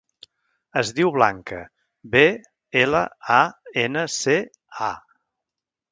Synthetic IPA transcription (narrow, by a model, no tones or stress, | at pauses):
əzðiwβla̰ŋkə̰ | be | elə̰aenəse | a̰